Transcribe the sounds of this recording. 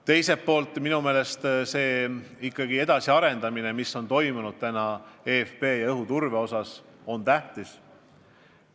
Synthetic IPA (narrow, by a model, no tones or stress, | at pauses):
t̪e̞jse̞pːo̞ːlt̪ːˑminume̞ːle̞st̪se̞ːikːˑɑɡ̥ie̞d̪̥ɑsiɑɾe̞nd̪̥ɑminemisːo̞nt̪o̞jmunud̪̥̚t̪ænɑe̞ːfpe̞ːjɑɤɦut̪urve̞o̞sɑs | o̞nt̪æht̪is